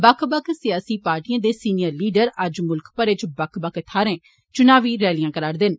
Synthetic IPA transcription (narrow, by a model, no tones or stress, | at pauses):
bəkʰbəkʰsɪjaːsiːpaːɾʈijãːd̪eːsiːnijəɾliːɖəɾəd͡ʒmʊlkpəɾɪt͡ʃbəkʰbəkt̪ʰaːɾẽː | t͡ʃʊnaːʋiːɾɛːlijãːkəɾaːɾd̪ɪn